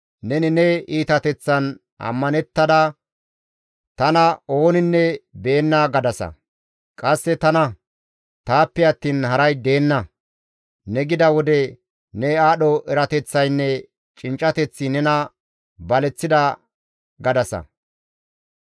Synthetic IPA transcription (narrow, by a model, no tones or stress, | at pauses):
nɛnɪnɛiːt̪ɐt̪ɛt͡sːɐn | ɐ̰mːɐnɛt̪ːɐd̪ɐ | t̪ɐnɐo̞ːnɪnːɛbe̞ːnːaɡɐd̪ɐsɐ̰ | kʼɐsːɛt̪ɐnɐ | t̪aːpːɛɐt̪ːiːnhɐɾɐjd̪e̞ːnːɐ | nɛɡɪd̪ɐwɔd̪ɛ | nɛaːɗɔʔɛɾɐt̪ɛt͡sːɐjnːɛ | t͡ʃʼɪnt͡ʃʼːɐt̪ɛt͡sːɪnɛnɐ | bɐlɛt͡sːɪd̪ɐ | ɡɐd̪ɐsɐ̰